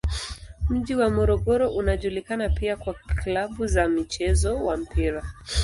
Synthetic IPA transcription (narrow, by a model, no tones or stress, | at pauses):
m̩ʄiwamɔɾɔɠɔɾɔʔunaʄulikanapiakwalaɓuzamit͡ʃɛzɔwam̩piɾa